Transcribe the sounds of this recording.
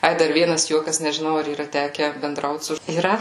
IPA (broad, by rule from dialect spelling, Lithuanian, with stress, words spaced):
ˈɐɪ ˈdɐr ˈʋʲiɛnɐs ˈjuɔkɐs nʲɛʒʲɪˈnɐʊ ɐr iːˈrɐ ˈtʲæːkʲɛ bʲɛnˈdrɐʊt sʊ iːˈrɐ